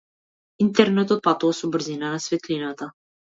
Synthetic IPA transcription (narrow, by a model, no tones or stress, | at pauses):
int̪ɛɾnɛt̪ɔt̪̚pat̪uvasɔbr̩ɾzinanasvɛt̪linat̪a